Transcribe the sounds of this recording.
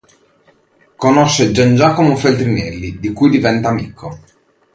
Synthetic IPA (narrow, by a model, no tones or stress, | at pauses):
konoʃːed͡ʒand͡ʒaːkomofelt̪ɾinɛlːid̪ikujd̪ivɛnt̪aːmiːkʰːo